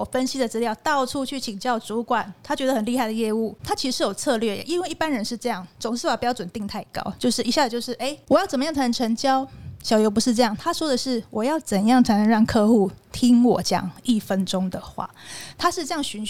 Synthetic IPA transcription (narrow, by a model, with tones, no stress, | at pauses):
ɔ˨˩fə˦nɕi˥d̪ə˨t͡s̩˥ljɑ˥˨˩ʊt̪ɑ˥˨ʊʈ͡ʂʰu˥˧t͡ɕʰy˥˩t͡ɕʰi˨˩ŋt͡ɕjɑ˥˩ʊt͡su˧˥kwa˨˩˦nt̪ʰa˥t͡ɕɥɛ˧˥d̪ə˨˩ə˨˩nli˥˧xa˥˩ɪd̪ə˩jɛ˥˧u˥˩t̪ʰa˥t͡ɕʰi˧˥ʂɻ̩˧ʂɻ̩˥˩jo˨˩ʊt͡sʰɤ˥˧lɥɛ˥˩jɛ̰˨˩ʔi˦nwe˥˧i˥˩pa˦˥nɻə˧˦nʂɻ̩˥˧ʈ͡ʂɤ˥˧jɑ˥˩ŋt͡sʊ˨˩ŋʂɻ̩˥˩wa˨˩pjʊt͡swə˨˩nt̪i˧ŋt̪ʰa˥˩ɪkɑ̰˥ʊt͡ɕjo˥˧ʊʂɻ̩˥˩i˧˥ɕja˥˩ə˩t͡ɕjo˥˧ʂɻ̩˥˩ʔe˥ɪwɔ˨˩jt͡sə˨˩mə˦jŋt͡sʰa˧˥nə˧ŋ̩˩ʈ͡ʂʰə˧˥ŋt͡ɕjɑ˦˥ʊɕjɑ˨˩ʊjo˧ʊp̬u˧˥ʂɻ̩˥˧ʈ͡ʂɤ˥˧jɑ˥˩ŋt̪ʰa˥ʂwɔ˥d̪ə˨ʂɻ̩˥˩wɔ˨˩jɑ˥˩ʊt͡sə˨˩njɑ˥˩ŋt͡sʰa˧˥ɪnə˧˦ŋɻɑ˥˩ŋkʰɤ˥˧xu˥˩t̪ʰi˥ŋwɔ̰˨˩t͡ɕjɑ̰˨˩˦ŋi˥˩fə˦nʈ͡ʂʊ˥ŋd̪ə˨˩xwa̰˥˩t̪ʰa˥ʂɻ̩˥˧ʈ͡ʂɤ˥˧jɑ˥˩ŋɕy˧˥n